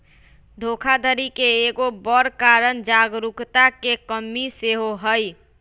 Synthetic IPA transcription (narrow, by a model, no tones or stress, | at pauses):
d̪ʱokʰad̪ʱəɾikeːɡobəɾkaɾənd͡ʒaɡɾukt̪akekəmːiseɦoɦəj